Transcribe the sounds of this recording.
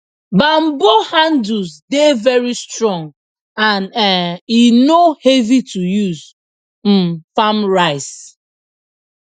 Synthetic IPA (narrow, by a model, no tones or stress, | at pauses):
bam̩bohanduzdevɛɹistɹɔ̃ŋ | ãnɛinohevitujuz | m̩famɹaɪs